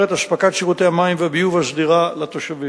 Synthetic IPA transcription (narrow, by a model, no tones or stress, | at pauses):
et̪aʃpakatʃiʁot̪eamaimveabijuvasd̪iʁalat̪oʃavi